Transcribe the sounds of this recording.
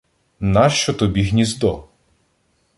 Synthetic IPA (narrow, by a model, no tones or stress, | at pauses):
nɑʃt͡ʃɔt̪ɔbʲiɦnʲizd̪ɔ